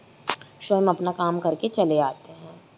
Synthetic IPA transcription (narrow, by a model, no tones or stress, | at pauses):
ʃoːmɐpnakaːmkɐɾket͡ʃɐleaːt̪eɦɛ̃ː